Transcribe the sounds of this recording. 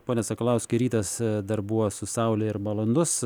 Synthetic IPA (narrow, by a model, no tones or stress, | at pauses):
poːnʲɛsɐkɐlˠɐʊsʲkʲɪɾʲiːt̪ɐsd̪ɐɾbuʋoːsʊsɐʊlʲɛɪɾmɐlˠond̪ʊs